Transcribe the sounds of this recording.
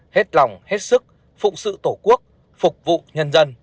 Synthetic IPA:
he˦˥t̚la˨˩wŋ͡mhe˦˥t̚sɨ˦˥k̚ | fʊ̰˧˨ʔsɨ̰˧˨t̪o˧˩ku˦˥ək̚ | fʊ˨˩k͡p̚vṵ˧˨ɲə˧nzə˧n

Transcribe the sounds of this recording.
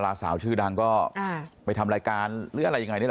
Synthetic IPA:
laː˧saː˩˦wt͡ɕʰɯː˥˩da˧ŋkɔː˥˩a˧˩pa˧jt̪ʰa˧mɾaː˧jkaː˧nlɯː˦˥˩ʔa˨ɾa˧jːa˧ŋa˧jn˥˩˧

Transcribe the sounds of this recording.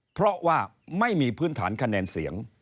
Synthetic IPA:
pʰɾɔ˦˥waː˥˩ | ma˥˩jmiː˧pʰɯː˥˩nt̪ʰaː˩˦nkʰa˧nɛː˧nsi˩˦əŋ

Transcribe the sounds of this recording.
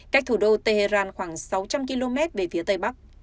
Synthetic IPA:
ka˦˥k̟̚t̪ʰu˧˩ɗo˧t̪e˧˩he˧zaː˧nxwaː˧˩ŋsa˨˦wt͡ɕa˧mki˧lo˧mɛ˦˥t̚ve˨˩fi˨˦ət̪ə˧˩jɓa˦˥k̚

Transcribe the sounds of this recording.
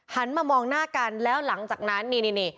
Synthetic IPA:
t͡ɕa˦˥nmaː˧mɔː˧ŋnaː˥˩ka˧nlɛː˦˥wla˩˦ŋt͡ɕaː˨˩k̚na˦˥nːiː˧niː˧niː˧˩

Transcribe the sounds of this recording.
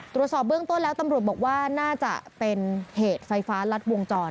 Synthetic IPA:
t̪ɾu˨˩t̪̚sɔː˨˩p̚bɯ˥˩əŋt̪o˥˩nlɛː˦˥wt̪a˧mɾu˨˩t̪̚bɔː˨˩k̚waː˥˩naː˥˩t͡ɕa̰˨˩pe˧nheː˨˩t̪̚fa˧jfaː˦˥la˦˥t̪̚wo˧ŋt͡ɕɔː˧n

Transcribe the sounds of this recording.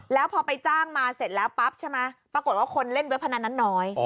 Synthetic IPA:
lɛː˦˥wpʰɔː˧pa˧jt͡ɕaː˥˩ŋmaː˧se˨˩t̪̚lɛː˦˥wpa˦˥p̚t͡ɕʰe˥˩ma˦˥pɾa˧ko˨˩t̪̚waː˥˩kʰo˧nle˥˩nbɯ˦˥˦pʰa˧na˧nːa˦˥nːɔː˦˥j

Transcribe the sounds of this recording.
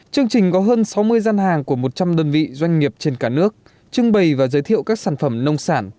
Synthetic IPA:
t͡ɕɨ˧əŋt͡ɕï˨˩ŋ̟kɔ˨˦ɦəː˧nsa˨˦wmɨ˧əjzaː˧nhaː˨˩ŋku˧˩əmo˨˩t̚t͡ɕa˧mɗəː˧nvḭ˧˨zwa˧jŋ̟ŋi˨˩əp̚t͡ɕe˧nkaː˧˩nɨ˦˥ək̚ | t͡ɕɨ˧ŋɓə˨˩jvaː˨˩zəː˨˦jt̪ʰḭ˧˨əwkaː˦˥k̚saː˧˩nfə˧˩mnə˧wŋ͡msaː˧˩n

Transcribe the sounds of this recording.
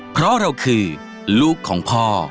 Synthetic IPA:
pʰɾɔ˦˥ɾa˧wkʰɯː˧ | luː˥˩kʰːɔː˩˦ŋpʰɔː˥˩

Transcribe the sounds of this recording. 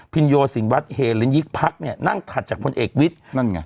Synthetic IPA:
pʰi˧njoː˧si˩˦ŋwa˦˥t̪̚heː˧˩lɯ˦nji˦˥k̚pʰa˦˥k̚ni˥˩ɐna˥˩ŋt̪ʰa˨˩t̪̚t͡ɕaː˨˩k̚pʰo˧nʔeː˨˩k̚wi˦˥t̪̚na˥˩nŋa˧˩

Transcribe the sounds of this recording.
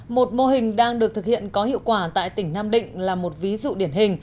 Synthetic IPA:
mo˨˩t̚mo˧ɦï˨˩ŋ̟ɗaː˧ŋɗɨ˨˩ək̚t̪ɨ˨˩k̚hḭ˧˨ənkɔ˨˦hḭ˧˨əwkwaː˧˩t̪a̰ː˧˨jt̪ï˧˩ŋ̟naː˧mɗḭ̈˧˨ŋ̟laː˨˩mo˨˩t̚vi˨˦zṵ˧˨ɗi˧˩ənhï˨˩ŋ̟

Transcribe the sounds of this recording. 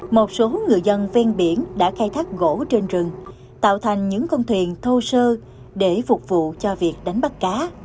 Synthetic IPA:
mo˨˩t̚so˨˦ŋɨ˨˩əjzə˧nvɛ˧nɓi˧˩ənɗa̰ː˧˥xaː˧jt̪ʰaː˦˥k̚ɣo̰˧˥t͡ɕe˧nzɨ˨˩ŋ | t̪a̰ː˧˨wt̪ʰa˨˩jŋ̟ɲɨ̰˧˥ŋkɔ˧wnt̪ʰwi˨˩ənt̪ʰo˧səː˧ | ɗe˧˩fʊ˨˩k͡p̚vṵ˧˨t͡ɕɔ˧vi˨˩ək̚ɗa˨˦jŋ̟ɓa˦˥t̚kaː˨˦

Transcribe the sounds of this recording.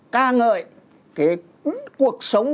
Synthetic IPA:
kaː˧ŋə̰ː˧˨j | kaː˨˦j | ku˨˩ək̚sə˨˦wŋ͡m

